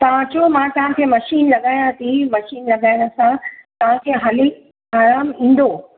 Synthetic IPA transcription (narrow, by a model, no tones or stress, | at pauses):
t̪ɐʋ̤ãd͡ʑomãt̪ɐɦãkʰeːmɐʃiːnlɐɠaːj̃ãt̪ʰimɐʃiːnlɐɠaːjnə̆sãt̪ɐʋ̤ãkʰeːɦaːli | aːɾaːmĩːn̆d̪oː